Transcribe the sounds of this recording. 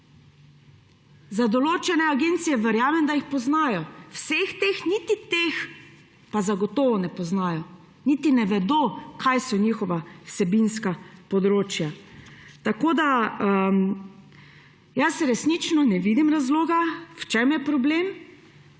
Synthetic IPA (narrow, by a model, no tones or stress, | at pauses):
zad̪ɔloːt͡ʃɛnɛaɡent̪sijɛʋɛɾjaːmɛmd̪ajixpɔznaːjɔwsext̪exnit̪it̪ex | pazaɡɔt̪ɔːʋɔnɛpɔznaːjɔ | nit̪inɛʋɛd̪okajsɔnixɔʋawsɛbinskapɔd̪ɾoːt͡ʃjat̪akoːd̪a | jasɾɛsnit͡ʃnɔnɛʋiːd̪imɾazloːɡawt͡ʃɛmjɛpɾɔblem